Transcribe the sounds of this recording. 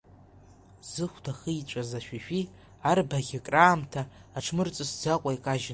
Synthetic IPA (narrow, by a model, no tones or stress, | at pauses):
zɨχʷdaχɨjt͡ʃʷʼazaʃᶣaʃᶣi | arbaɣʲakʼraːmtʰaːʈ͡ʂʰmɨrt͡sʼɨsd͡zaqʷʼaikʼaʒ